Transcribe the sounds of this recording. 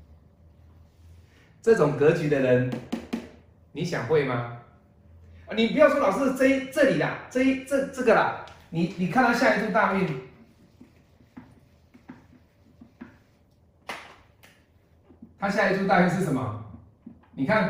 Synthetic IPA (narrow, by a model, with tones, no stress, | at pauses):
t͡sɤ˥˩ʈ͡ʂʊ˨˩ŋkɤ˨˧˥t͡ɕy˨˦d̪ə˨ɻə˨˦n | ni˨˥ɕja̰˨˩ŋxwe˥˩ɪma˧˦ | ə˨˩ni˨˩pu˧˥jɑ˥˩ʊʈ͡ʂʰɔ˥lɑ˨˩ʊʂɻ̩˥˧t͡sɤ˥˧i˦˥t͡sɤ˥˨li˨˩lɐ̰˨˦t͡sɤ˥˧i˦t͡sə˥˧t͡sə˥˩ɡə˨lɐ˨˩ni˨˩ni˨˩kʰa˥˧nt̪ʰa˥˩ɕja˥˧i˥˧tʰu˥˧t̪a˥˧y˥˨n | t̪ʰa˦˥ɕja˥˧i˥˧tʰu˥˧t̪̬a˥˧y˥˧nʂ̬ɻ̩˥˩ʂə˨˩˦mɐ̰˨ | ni˨˩kʰa˥˧n